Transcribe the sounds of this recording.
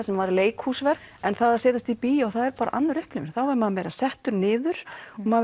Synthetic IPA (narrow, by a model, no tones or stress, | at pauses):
sɛmvaɾleːjkhuːsvɛɾɛnθaðaðsɛːt̪ast̪ipiːjaɣθaðɛɾpaːɾaʔanːaɾʏhplɪvɪɾ̥θawvaɾmaðmɛːɾasɛht̪ʏɾnɪːðʏɾ̥ma